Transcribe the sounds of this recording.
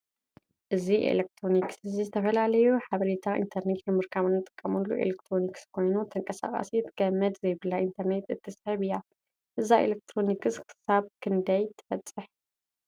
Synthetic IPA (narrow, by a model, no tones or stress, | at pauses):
ʔɨziʔḛlek̚t̪ʰɾo̞niksɨzizɨt̪ʰɐfɐlalɐjuħaβɐɾit̪ʰaʔḭnt̪ʰɐɾnet̪nɨmɨɾkʰaβɨnːɨt̪ʼɨ̥kʼːɐmɐlːuʔḛlekt̪ʰɾo̞nikskʰo̞jnut̪ʰɨŋkʼɐsa̰kʼa̰sit̪ʰɨɡ̥ɐmːɐd̪zɐjbɨlːaʔint̪ʰɐɾne̞t̪ɨt̪ʰːɨsħɨβɨjːa | ʔɨzaḛlek̚t̪ʰɾo̞nikʰɨskʰɨ̥saβkʰɨnd̪ɐjt̪ʰɨ̥fɐt͡sʼːɨħ